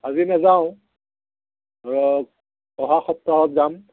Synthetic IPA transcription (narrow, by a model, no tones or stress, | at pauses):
azinazaʊ̃ | aɹɔ | ɔɦaxɔtːɹaɦɔt̚zam